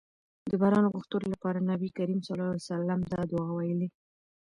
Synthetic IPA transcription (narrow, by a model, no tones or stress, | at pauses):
d̪əbɑɾɑnoɣʊxt̪uɾolapɑɾanabikaɾimsalɑasalamd̪ɑd̪ʊɑwajəli